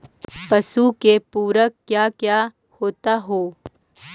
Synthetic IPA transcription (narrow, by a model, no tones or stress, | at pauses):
pɐsukepuːɾəkkːjaːkja | hoːt̪aɦoː